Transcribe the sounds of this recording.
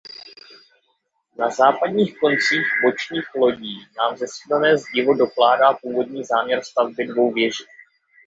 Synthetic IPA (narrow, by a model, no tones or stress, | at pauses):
nazaːpadɲiːxko̞nt͡siːxbo̞t͡ʃɲiːxlo̞ɟiːnaːmzɛsiːlanɛːzɟɪvo̞do̞klaːdaːpuːvo̞dɲiːzaːmɲɛɾst̪avbɪdvo̞wvjɛʒɪ